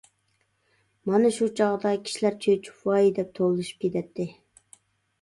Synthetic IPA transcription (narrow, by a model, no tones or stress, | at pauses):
mɑnɨʃut͡ʃʰɑʁd̪ɑkʲʰi̥ʃilæɾt͡ʃʰøt͡ʃʰu̥pwɑjid̪ɛp̚t̪ʰowlˠuʃy̥p̚kʲet̪ʰɛt̪ʰːɪ